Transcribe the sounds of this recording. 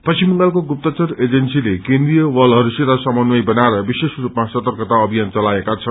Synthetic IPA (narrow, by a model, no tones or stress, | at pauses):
pʌt͡simʌŋɡalkoɡup̚t̪ʌt͡sʌɾed͡zensilekẽnd̪ɾijʌwʌlɦʌɾuseɾasʌmʌnwʌjbʌnaeɾʌbisesrupmasʌt̪ʌrkʌt̪aʌbʱijant͡sʌlaekat͡sʰʌn